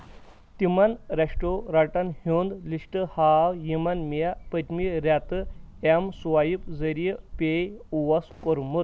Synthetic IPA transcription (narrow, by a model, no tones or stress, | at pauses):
t̪imanɾʲaʂʈoɾaʈanhond̪liʂʈəhawjimanmijapət̪miɾat̪ɨemswajipzəɾijəpejuʋɐskoɾmut̪̚